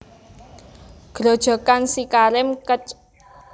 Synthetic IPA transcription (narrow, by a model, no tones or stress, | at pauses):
ɡ̥ɾo̤d̥ʒ̥ɔ̤kansikaɾɪmkət͡ʃ